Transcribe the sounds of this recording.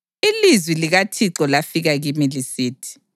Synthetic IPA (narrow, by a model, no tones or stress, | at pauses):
ilizwiliɣatʰiǁɔlafiɣaɣimilisiːtʰi̥